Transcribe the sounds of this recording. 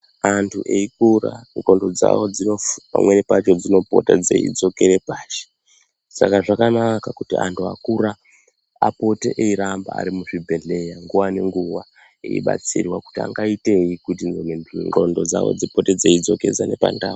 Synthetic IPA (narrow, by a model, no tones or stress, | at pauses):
antʰuʔeikura̰ŋro̞ndo̞d͡za̰wod͡zino̞pa̰mwe̞ne̞pat͡ʃo̞d͡zino̞po̞̰tad͡zeḭd͡zo̞ke̞ɾepaːʃe̥ | sakaʐakanakakutiantʰua̰kuɾa | a̰po̞te̞ʔeiɾambaa̰ɾimuʐibʱe̞ɮe̞jaŋɡuwane̞ŋɡuʋa | ḛḭɓa̰t͡sirwaku̥tia̰ŋɡaite̞jikutinomenŋrondo̞d͡za̰wo̰d͡zipo̞ted͡zeid͡zo̞ke̞d͡zane̞pa̰ndaːwo